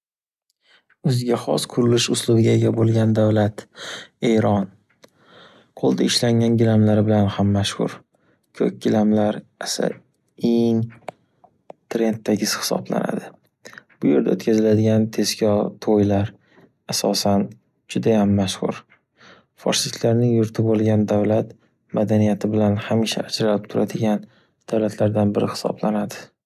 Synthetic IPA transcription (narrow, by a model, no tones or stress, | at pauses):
ɵzɪɡʲaχɒ̰sqʰʊɾɪlɪʃʊslˠʊbɪɡʲaeɡʲabolˠɡʲand̪avlat̪e̞jɾɒn | qʰolˠd̪aɪʃlaŋʲanɡʲɪlamlaɾɪbɪlanhamːaʃhʊ̰ɾ | kʲʰɵ̰k̚ʲɡʲɪlamlaɾasa̰ | eŋ | t̪ʰɾe̞nt̪ʰːaɡʲɪz̥hɪ̥sɒ̰bla̰na̰d̪ɪ | b̥ʊje̞ɾd̪ao̰t̪kʰʲazɪlad̪ɪɡʲant̪ʰe̞zkʲʰɒt̪ʰojlaɾ | asɒsan | d͡ʒʊd̪ajamːaʃhʊ̰ɾ | fɒ̰ɾsit̪ʰlaɾnɪŋjʊɾt̪ʰɪbolˠɡʲand̪awlat̪ | mad̪anijat̪ʰɪbɪlanhamiʃa̰ʔːd͡ʒɾalɪp̚t̪ʰʊɾad̪ɪɡʲan | d̪̥awlat̪ʰlaɾd̪anbɪɾɪhɪ̥sɒ̰blanad̪ɪ̥